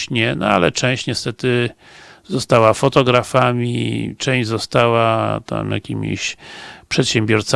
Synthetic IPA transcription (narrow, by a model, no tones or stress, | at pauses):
ɲɛnɔ̰alɛ̰t͡ʂɛ̃w̃ɕt͡ɕɲɛst̪ɛt̪ɘ | zɔst̪awafɔt̪ɔɡɾafamʲit͡ʂɛ̃w̃d͡ʑzɔst̪awat̪a̰mja̰kʲimʲḭɕpʂɛt̪ɕɛmbʲjɔɾt̪s